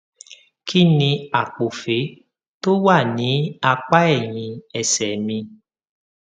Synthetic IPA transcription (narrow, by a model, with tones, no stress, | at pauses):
kʰi˦nĩ˧a˨k͡po˨fe˨˦ | to˦wa˦˨nĩ˨˦a˧k͡pa˦ɛ˦˨j̃ĩ˧ɛ˨sɛ˨mĩ˧